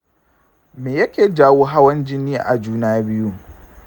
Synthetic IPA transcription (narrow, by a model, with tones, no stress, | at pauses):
meː˨jɐ˦kʲeː˨d͡ʒaː˦woː˦ɦa˦wɐ˦nd͡ʒɪ˦niː˦ʔa̰˨d͡ʒuː˦naː˦bɪ˦ju˦